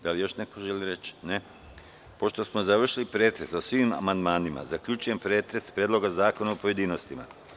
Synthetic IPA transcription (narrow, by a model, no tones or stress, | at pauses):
d̪alijo̞ʃnekoʒeliɾet͡ʃne | po̞ʃt̪o̞smozaʋr̩ʃilipɾeːt̪ɾe̞sosʋima̰mand̪maːnima̰zakʎuːt͡ʃujempɾe̞ːt̪ɾe̞spɾjed̪lˠo̞ɡazaːkonaopojed̪iːno̞st̪ima̰